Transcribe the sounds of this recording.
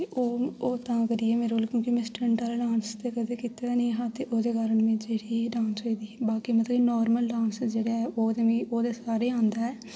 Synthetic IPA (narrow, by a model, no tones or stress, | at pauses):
eʔoːoːt̪ãːkəɾiːɛːmeːɾoːlkũːkimɛ̃ːsʈəɳʈaːlːɖãːnst̪eːkəd̪eːkiːt̪aːnəĩːɦãːt̪eːʔoːd̪eːkaːɾəɳmẽːd͡ʒeːɽiːɖãːnsɦoːiːd̪iːbaːkiːmət̪ləbinɔːɾməlɖãːnsd͡ʒeːɽaːɛːʔoːd̪eːmẽːoːd̪eːsaːɾeːãːnd̪aːɛː